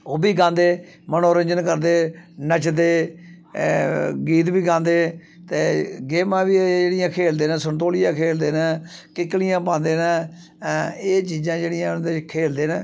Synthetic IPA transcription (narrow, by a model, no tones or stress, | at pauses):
oːbiːɡãːnd̪eː | mənoːɾəɲd͡ʒənkəɾd̪eːnət͡ʃd̪eː | ɡiːt̪biːɡãːnd̪eː | t̪eːɡeːmãːbiːd͡ʒeːɽɪjãːkʰeːld̪eːnɛ̃ːsənt̪oːlɪjãːkʰeːld̪eːnɛːkɪklɪjãːpãːnd̪eːnɛː | eːt͡ʃiːzãːd͡ʒeːɽɪjãːnd̪ekʰeːld̪eːñː